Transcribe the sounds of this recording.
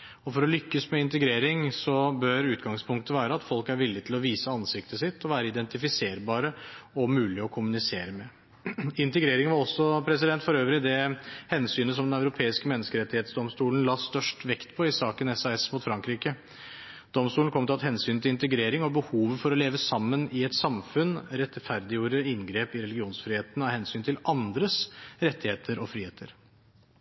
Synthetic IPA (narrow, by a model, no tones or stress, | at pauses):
ɔfɔɾɔlʏkːəsmɛɪnt̪əɡɾeːɾɪŋsɔbœɾʉːt̪ɡɑŋspʰʊŋkt̪əʋæːɾəɑt̪fɔlkæɾʋɪlːɪt̪ʰɪlɔʋiːsəɑnsɪkt̪ʰəsɪt̪ːɔʋæːɾəɪd̪ɛnt̪ɪfɪseːɾbɑːɾəɔmʉːlɪɔkʰʊmʉnɪseːɾəmɛ | ɪnt̪əɡɾeːɾɪŋʋɑɾɔsːɔpʰɾɛsɪd̪ɛnt̪fɔɾøːʋɾɪd̪ɛhɛnsyːnəsɔmd̪ɛnæʉɾʊpʰeːɪskəmɛnːəskəɾɛt̪ːɪheːt̪sd̪ɔmst̪uːlən̩lɑːst̪œʂʈʋɛkt̪pʰɔɪsɑːkənɛsɑɛsmuːt̪fɾɑŋkɾiːkə | d̪̥ɔmst̪uːnkɔmt̪ɪɑt̪hɛnsyːnt̪ʰɪlɪnt̪əɡɾeːɾɪŋɔbəhuːʋəfɔɾɔleːʋəsɑmːənɪɛt̪sɑmfʉnɾɛt̪fæɾd̪ɪjuːɾəɪnɡɾeːpɪɾɛlɪɡɪuːnsfɾiːheːt̪ənɑhɛnsyːnt̪ʰɪlʔɑnd̪ɾəsɾɛt̪ːɪheːt̪ʰəɾɔfɾiːeːt̪ʰəɾ